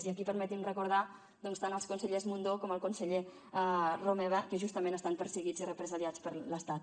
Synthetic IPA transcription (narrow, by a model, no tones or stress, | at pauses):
ziəkipəɾmɛt̪imrəkuɾð̞a | d̪ɔnst̪anəlˠskunsəʎezmund̪okɔməlˠkunsəʎe | romɛβəkəʒust̪əmẽnəst̪ampəɾsəɣid͡zirəpɾəzaljat͡spəɾləst̪at̪̚